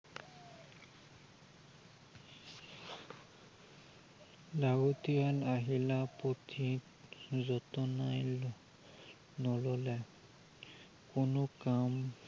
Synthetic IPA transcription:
laɡotijanaɦilapotʰi | zɔtɔnajl | nɔlɔlɛ | kʊnokam

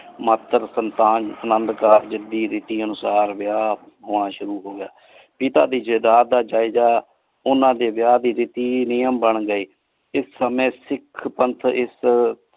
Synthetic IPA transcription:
mət̪əɾsənt̪aːnənənd̪kaːɾd͡ʒɪd̪iːɾɪt̪iːənʊsaːɾʋɪjaː | ɦoːɽ̃ãːʃʊɾuːɦoːɡɪjaː | pɪt̪a̰ːd̪iːd͡ʒəd̪aːd̪aːd͡ʒaːɪd͡ʒaː | ʊnãːd̪eːʋɪjaːd̪iːɾɪt̪iːnɪjəmbəɳɡəiː | ɪsːəmẽːsɪkʰpənt̪ʰɪs

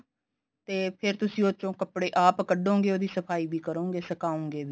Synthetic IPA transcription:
t̪eːpʰɪɾt̪ʊsĩːoːt͡ʃõːkəpɽeːʔaːpkəɖõːŋɡeːoːd̪iːsəpʰaːiːbʱiːkəɾõːŋɡeːsəkaːõːŋɡeːbiː

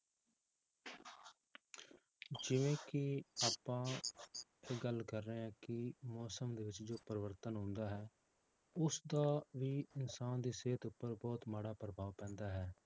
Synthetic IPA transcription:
d͡ʒɪʋẽːkɪaːpãː | eːɡəlkəɾːeːɛ̃ːkɪmɔːsəmd̪eːʋɪt͡ʃd͡ʒoːpəɾʋəɾt̪ənɦʊ̃ːnd̪aːɦɛː | ʊsd̪aːʋiːɪnsaːnd̪iːseːt̪ʊpːəɾbɔːt̪maːɽaːpəɾəbaːʋpɛ̃ːnd̪aːɦɛː

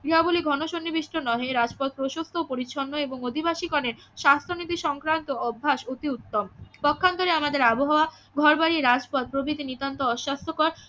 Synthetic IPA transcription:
biɦaboliɡʱɔnoʃonːibiʃʈʰonɔɦeɾad͡ʑpɔt̪̚pɾoʃost̪ʰopoɾiɕʰɔnːoeboŋod̪ʱibaʃikɔneɾ | ʃast̪ʰonit̪iʃɔŋkɾant̪oɔbʱːaʃot̪iut̪ːompɔkʰːank̪aɾeamad̪eɾaboɦaoa | ɡʱɔɾbaɾiɾad͡ʑpɔt̪̚pɾobit̪init̪ant̪oɔʃːast̪ʰokɔɾ

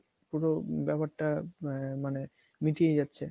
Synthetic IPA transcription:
puɾobɛpaɾʈamane | miʈijed͡ʑatːɕʰe

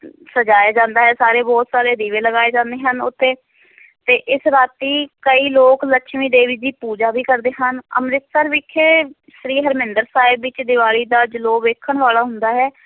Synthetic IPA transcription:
səd͡ʒaːjaːd͡ʒãːnd̪aːɦɛːsaːɾeːbɔːt̪saːɾeːd̪iːʋeːləɡaːeːd͡ʒãːnd̪eːɦənʊ̰t̪ʰːeː | t̪eːʔɪsɾaːt̪iːkəiːloːkləkʃʰmiːd̪eːʋiːd͡ʒ̪iːpuːd͡ʒaːbiːkəɾd̪eːɦənə̰mɾɪt̪səɾʋɪkʰːeː | sɾiːɦəɾmɪ̃nd̪əɾsaːɪbːɪt͡ʃd̪ɪʋaːɭiːd̪aːd͡ʒəloːʋeːkʰəɳʋaːlaːɦʊnd̪aːɦɛː

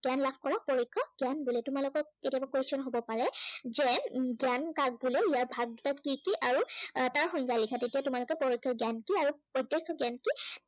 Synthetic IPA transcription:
ɡanlapʰkɔɹak̚pɔɹikʰːɔɡjanbulɛtʊmalokɔketijabakwejstɔnɦobɔpaɹɛzɛɡjankaɡ̚bulɛijaɹbʱaɡ̚tatkikiʔaɹutaɹxɔjɲkalikʰatetiatʊmalokɔpɔɹɔkʰːɔɡjankiaɹupɔjdɔkʰːɔɡanki

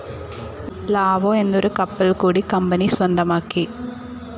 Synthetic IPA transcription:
laːʋoːɛnd̪ɔɾɯkɐpːɐlkuːɽikɐmbɐnisʋɐnd̪ɐmaːki

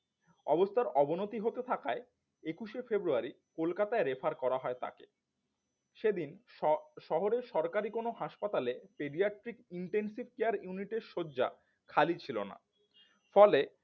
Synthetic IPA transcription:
ɔbost̪ʰaɾɔbonot̪iɦot̪et̪ʰakae | ekuʃefebɾuaɾi | kolkat̪aeɾefʰaɾkɔɾaɦɔet̪a̰kḛ | ʃed̪in | ʃɔɦoɾeʃɔɾkaɾikonoɦaʃpat̪alepeɖiaʈɾikiɳʈensibkeaɾjuniʈeɾʃoːd͡ʑa̰ | kʰalit͡ɕʰilona̰ | fɔle

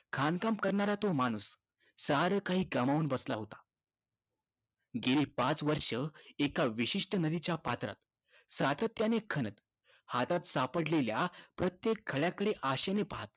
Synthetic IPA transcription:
kʰankampkəɾɳaɾat̪omañus | səɾəkaɦiːɡəmauːnbəslaɦot̪ḁ | ɡeliːpãt͡sʋəɾʂəekaʋiɕiʂʈənəd̪it͡ɕjapat̪ɾa̰t̪ | sat̪ət̪janekʰənət̪ | hat̪at̪sapəɽleljapɾət̪jekʰːəɭjakəɽeʔaɕenepaɦat̪̚

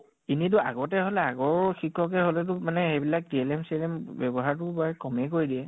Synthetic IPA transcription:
init̬ʊa̰ɡɔtɛɦolɛaɡɔɹxikʰːɔk̬ɛɦolɛt̬ʊmanɛxebilak̚diɛlɛmselɛmbɛbɔɦaɹtʊbaɹɛkɔmɛkoɹidiɛ

